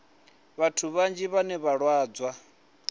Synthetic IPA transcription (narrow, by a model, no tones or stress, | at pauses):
βatʰuβand͡ʒiβanɛβaɺwaːd͡zwa